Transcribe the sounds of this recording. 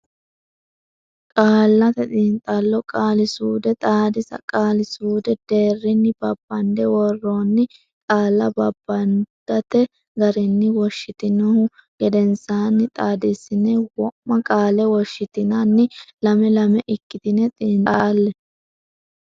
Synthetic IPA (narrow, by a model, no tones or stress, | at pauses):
kʼaːlːɐt̪ɛt̪ʼiːnt̪ʼalːɔkʼaːlɪsuːd̪ɛt̪ʼaːd̪ɪsɐ̰kʼaːlɪsuːd̪ɛd̪̥e̞ːrːɪnːɪb̥ɐbːɐnd̪ɛwɔrːoːnːɪ | kʼaːlːɐbɐbːɐnd̪̥ɐt̪ɛ | ɡɐɾɪnːɪwɔʃːɪt̪ɪnɔhʊ | ɡ̥ɛd̪ɛnsaːnːɪt̪ʼaːd̪ɪsɪnɛwɔmːɐkʼaːlɛwɔʃːɪt̪ɪnɐnːɪlɐmɛlɐmɛʔɪkːɪd̪ɪnɛt̪ʼiːnt̪ʼaːlːɛ